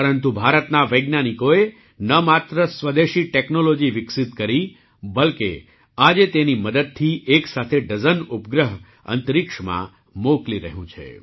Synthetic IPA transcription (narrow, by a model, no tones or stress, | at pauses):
pəɾənt̪ubʱaɾət̪naʋəjɡnanikoe | nəmat̪ɾəsʋəd̪eʃiʈeknolod͡ʒiʋɪksɪt̪kəɾi | bəlkḛ | ad͡ʒet̪eniməd̪əd̪̚t̪ʰieksat̪ʰeɖəzənupɡɾəɦ | ə̰nt̪ɾikʃmã̰ | mokliɾə̰ɦjũt͡ʃʰḛ